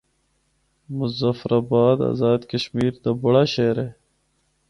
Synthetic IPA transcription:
mʊzafɾʔaːbaːd̪a̰ːzaːd̪kəʃmiːɾt̪abɐɽaɕeɾeː

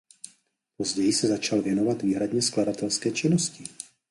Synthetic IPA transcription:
pozɟɛjɪsɛzat͡ʃalvjɛnovad̪viːɦɾadɲɛskladat̪ɛlskɛːt͡ʃɪnoscɪ

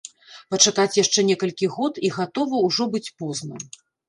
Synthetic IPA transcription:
pɐt͡ʂakat͡sʲjaʂt͡ʂɛnʲɛkɐlʲkʲiɣɔt̪iɣat̪ɔvɐwʐɔbɨt͡sʲpɔznɨm

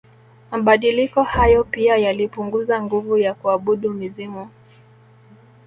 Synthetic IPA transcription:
maɓaɗilikɔhajɔpiajalipuŋɡuzaŋɡuvujakuaɓuɗumizimu

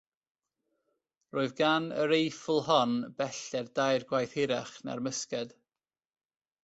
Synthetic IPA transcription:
roːɨðɡanə̰ɾejfʊlˠhɔnb̥ɛɬɛrdajrɡwajθhɪɾaχna̰rməskɛd̥

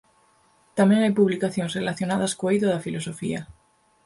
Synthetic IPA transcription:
t̪amjeŋajpuβlikaθjo̞nsrelaθjo̞naðaskoejðoðafilo̞so̞fḭa

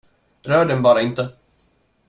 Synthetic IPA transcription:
ɾœːɖɛnbɑːɾaɪnt̪ə

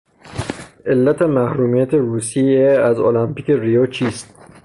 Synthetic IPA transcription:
ʔe̞lːæt̪ʰemæhɾuːmijæt̪ʰeɾuːsieæzolæmpiːke̞ɾijot͡ʃʰiːst̪̚

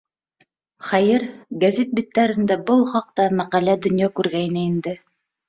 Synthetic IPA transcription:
χæjɘɾɡɐzʲet̪̚bit̪ːæɾɘ̆nd̪æbɤlˠχɑqt̪ɑmæqælæd̪ŏnjɑkʉɾɡæjnɘind̪ɘ

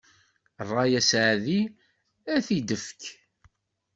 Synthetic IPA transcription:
rˤːɑjæsʕaði | æθid̪əfk

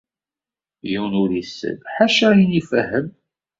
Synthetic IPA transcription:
jiwnʊɾisːə̰dħaʃæjinifəhəm

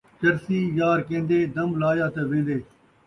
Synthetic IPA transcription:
t͡ʃɐɾsiːjaːɾkẽːnd̪eːd̪ɐmlaːjaːt̪ɐʋẽːnd̪eː

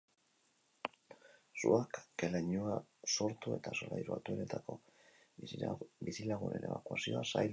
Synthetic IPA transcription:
suakːeleɲuaso̞ɾt̪ue̞t̪aso̞lajɾua̰t̪ue̞ne̞t̪ako̞ | bisilaɣ̞une̞̰ne̞βakuasio̞asaj

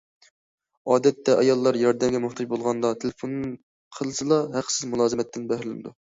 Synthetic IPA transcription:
ɑːd̪ɛt̪ːɛʔɑjɑlˠːɑɾjɑɾd̪ɛmɡʲɛmoχt̪ʰɑd͡ʒbolˠʁɑnd̪ɑt̪ʰelefon | qʰəlˠɨsɨlˠɑɦæqsɪzmulˠɑːzɨmɛt̪ʰːɪnbɛhɾlɪnɪ̰d̪u

